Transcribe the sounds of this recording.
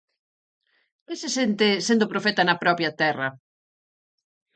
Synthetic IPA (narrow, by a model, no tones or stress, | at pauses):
besɪsent̪ɪsend̪ʊpɾofɛt̪ɐnɐpɾɔpjɐt̪ɛrɐ